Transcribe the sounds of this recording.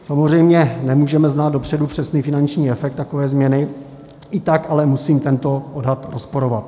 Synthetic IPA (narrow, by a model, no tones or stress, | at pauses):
samozrɛjmɲɛnɛmuːʒɛmɛznaːt̪dopr̝̥ɛdupr̝̥ɛsniːfɪnant͡ʃɲiːɛfɛk̚t̪ːako̞vɛːzmɲɛnɪ | ʔɪt̪akalɛmusiːmt̪ɛnt̪o̞ʔodɦat̪ɾospoɾo̞vat̪